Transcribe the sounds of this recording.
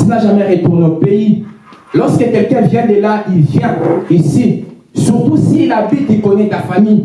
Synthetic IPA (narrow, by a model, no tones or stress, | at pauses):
zaʒamɛʁet̪uʁneopei | lɔʁskəkɛlkɛ̃vjɛ̃d̪elailvjɛ̃isi | syʁt̪usilabit̪ikɔnɛt̪afami